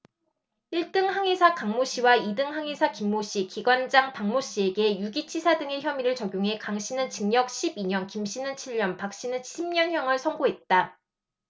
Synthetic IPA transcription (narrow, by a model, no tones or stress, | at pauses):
iɭt͈ɯŋhaŋesʰakaŋmoɕ͈ʰiwaidɯŋɦaŋesʰakimːoɕ͈ikiɡwand͡ʑaŋpaŋmoɕ͈ie̞ɡe̞juɡit͡ɕʰisʰadɯŋe̞çjʌmiɾɯɭt͡ɕʌɡjoŋɦe̞kaŋɕ͈ʰinɯnt͡ɕiŋɲʌk̚ɕʰibiɲʌnkimɕ͈ʰinɯnt͡ɕʰiɭɲʌnpak̚ɕ͈inɯnʰimɲʌnçjʌŋɯɭsʰʌŋɡoɦe̞t̚t͈a